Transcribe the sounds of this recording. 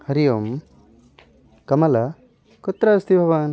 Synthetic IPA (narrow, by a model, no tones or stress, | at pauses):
hɐɾijom | kɐmɐlɐ | kot̪ːɾast̪ibʱɐʋaːn